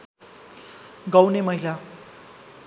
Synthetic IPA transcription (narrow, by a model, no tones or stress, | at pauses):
ɡʌwnemʌɦila